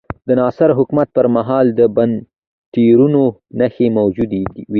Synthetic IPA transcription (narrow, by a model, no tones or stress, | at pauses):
d̪ənɑsɪɾɦʊkmat̪̚pəɾmaɦɑld̪əban | t̪iɾunonaxemawd͡ʒud̪eiwi